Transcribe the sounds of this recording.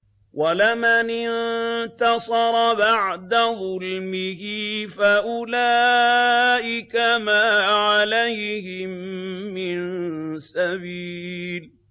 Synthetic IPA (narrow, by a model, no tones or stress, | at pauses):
walamanɪnt̪ɑsˤɑɾˤɑbaʕd̪aðˤʊlmɪhɪfaʔʊla | ʔɪkamaːʕalajhɪmːɪnsabiːl